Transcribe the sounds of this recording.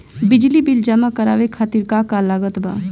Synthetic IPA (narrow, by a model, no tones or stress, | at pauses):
bɪd͡ʒlibɪld͡ʒəmãkəɾa̰ːʋekʰaːt̪iɾkakalaːɡət̪ba̰ː